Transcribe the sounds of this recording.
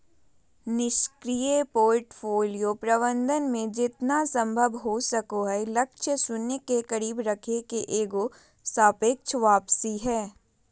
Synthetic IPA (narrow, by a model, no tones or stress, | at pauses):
nɪʃkɾijepoːɾʈfʰoːlijopɾɐβə̃nd̪ənmẽd͡ʒɪt̪nasɐ̃mbʱəbɦosɐkoɦɛlɐkʃəsʊnːekekɐɾiːbɾɐkʰekeʔeːɡo | saːpek̚t͡ʃʰʋaːpsiɦɛː